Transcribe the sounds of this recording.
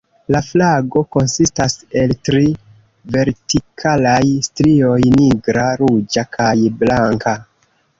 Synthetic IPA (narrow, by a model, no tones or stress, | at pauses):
laflaɡo̞ko̞nsistase̞ltɾi | ve̞ɾtikʰalajstɾio̞jniɡɾaɾud͡ʒakʰajblaŋka